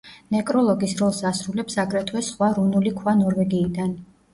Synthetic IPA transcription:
nɛkʼɾɔlˠɔɡisɾɔlˠsasɾulɛpsakʼɾɛt̪ʰwɛsχwaɾunulikʰwanɔɾvɛɡiːd̪an

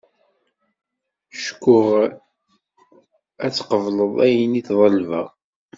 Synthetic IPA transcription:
ʃkːʊʁ | æt͡sːqəvləðˤæjəniθðˤəlvæʁ

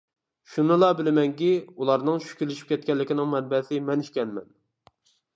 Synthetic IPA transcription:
ʃunɨlˠɑbɪlɪmɛŋkʲiulˠɑɾnɨŋʃy̥kʲyɾlːɪʃi̥p̚kʲʰɛt̪̚kʲɛlːɪkʲinɪŋmɛnbɛsɪmɛniʃkʲɛnmɛn

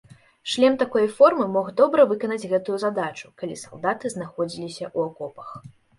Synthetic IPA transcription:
ʂlʲɛmt̪akɔjfɔrmɨmɔɣd̪ɔbɾɐvɨkɐnɐd͡zʲɣɛt̪ujuzad̪at͡ʂu̥kalʲisalˠd̪at̪ɨznaxɔd͡zʲilʲisʲɐʔuakɔpɐ̥x

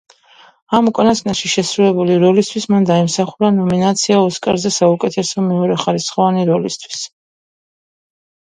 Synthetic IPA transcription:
amukʼanasnaʃiʃɛsɾulɛbuliɾɔlist̪ʰwismand̪aimsaχuɾanɔminat̪sʰiaɔskʼaɾzɛsaukʼɛt̪ʰɛsɔmɛɔɾɛχaɾisχɔvaniɾɔlist̪ʰw̥i̥s

